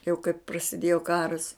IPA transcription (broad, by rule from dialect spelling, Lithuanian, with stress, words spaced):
jɛʊ kɐɪp prɐsʲɪˈdʲeːjoː ˈkɑːrɐs